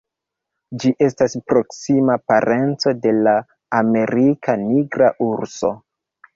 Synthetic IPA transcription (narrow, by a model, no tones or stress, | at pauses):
d͡ʒiʔe̞staspɾo̞ksimapaɾʔe̞nt͡so̞de̞laː | me̞ɾikʰaniɡɾa̰ʔuɾso̞̰